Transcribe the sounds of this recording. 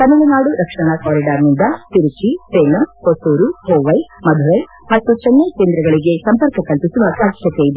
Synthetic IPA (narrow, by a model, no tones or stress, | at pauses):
kɐnːuɭunaːɽuɾɐkʂɐɳɐkaːɾiɖaːɾnind̪ɐt̪iɾut͡ʃiseːlɐmkosoːɾuɦoːʋɐjmɐd̪ʱuɾɐj | mɐt̪ːut͡ʃɛnːeke̞ːnd̪ɾɐɡɐɭiɡe̞sɐmpɐɾkɐkɐlpisuʋɐpɐːʃʰjɐt̪ejid̪e